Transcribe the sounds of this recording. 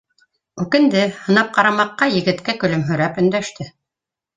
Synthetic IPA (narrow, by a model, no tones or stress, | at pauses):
ʉkɘ̆nd̪ɘhɤ̆nɑp̚qɑɾɑmɑqːɑjɘ̆ɡɘ̆t̪kækɵ̆lɵmɦɵ̆ɾæpɵ̆nd̪æʃt̪ɘ